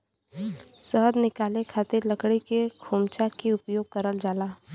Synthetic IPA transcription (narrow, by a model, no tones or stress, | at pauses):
səɦəd̪nɪkaːlekʰaːt̪ɪɾləkɽikekʰuːmt͡ʃakeʊpjoːɡ̚kəɾəld͡ʒaːlaː